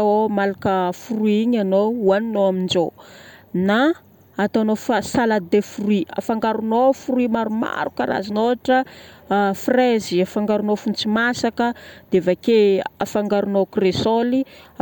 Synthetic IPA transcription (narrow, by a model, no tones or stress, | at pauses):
omalakəfuruiɲanouaninoamind͡ʒo | naː | t̪oanofasalad̪efuruia̰faŋɡaɾunofuɾuimaɾuma̰ɾukəɾa̰zinoaʈ͡ʂə | freziafaŋɡaɾunofunt͡simasakəd̪̥eavakea̰faŋɡaɾunokresoli